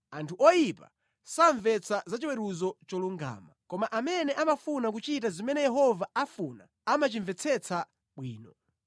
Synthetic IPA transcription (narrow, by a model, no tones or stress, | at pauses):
antʰuʔɔjipa̰ | saɱvɛt͡sʰazat͡ʃiwɛɾuzɔt͡ʃɔluŋɡa̰ːmakɔmaʔamɛnɛʔamafunak̬ut͡ʃit̬azimɛnɛjɛɦɔvaafuna̰ | amat͡ʃiɱvɛt͡sʰɛt͡sʰa | ɓwiːnɔ